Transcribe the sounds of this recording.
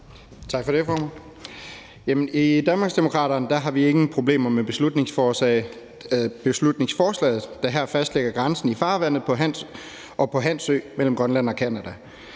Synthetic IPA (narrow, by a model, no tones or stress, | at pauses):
t͡sʰɑ̈ɡ̥fɒ̽ɾ̥e̝fɒːmæn | jemənid̥ænmɑ̈ɡsd̥emo̝kʰʁɑ̰̈ːɾɐnd̥æɦɑ̈ʋieɡ̥n̩pʰʁo̝blḛːmɐmeb̥e̝slud̥ne̝ŋsfɒːsɛːɪ | b̥e̝slud̥ne̝ŋsfɒːslɛ̰ːð̩ˠd̥æɦæɐ̰fæsd̥leɡ̥ɐɡ̥ʁɑ̈nsn̩ifɑ̈ːʋæn̰ð̩ˠpʰɒ̽ɦæn | ʔɒ̽pʰɒ̽ɦæn̰sø̰ːmel̰m̩ɡ̥ʁɶnlæn̰ɒ̽kʰænæd̥æ